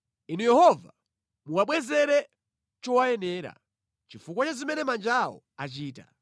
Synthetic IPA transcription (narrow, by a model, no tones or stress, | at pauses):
inujɛhɔva | muwaɓwɛzɛɾɛ | t͡ʃɔwajɛnɛːɾa̰ | t͡ʃifukwat͡ʃazimɛnɛmand͡ʒawɔ̰ | at͡ʃiːta̰